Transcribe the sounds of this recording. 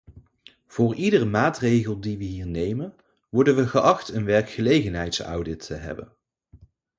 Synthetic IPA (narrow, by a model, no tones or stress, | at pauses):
v̥ʊːɹidərəmaːtrejɣəlˠdiʋəɦiːɹnejmən | ʋɔɹdənʋəχəʔɑχtənʋɛɹkχəlejɣənɦɛjtsa̰wdɪtʰːəɦɛ̰bə̰n